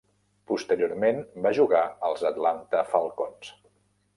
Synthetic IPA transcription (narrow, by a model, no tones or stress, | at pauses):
pust̪əɾijoɾmenbaʒuɣaəlˠzət̪lant̪əfəlˠkons